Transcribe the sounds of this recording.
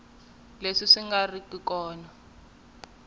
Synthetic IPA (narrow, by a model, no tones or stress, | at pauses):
leʂiʂiŋɡarikikɔːna